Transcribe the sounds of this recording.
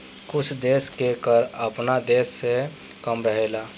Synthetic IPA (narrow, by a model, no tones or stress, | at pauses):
kʊt͡ʃʰd̪eːskekəɾəpnad̪eːsːe | kəmɾəɦela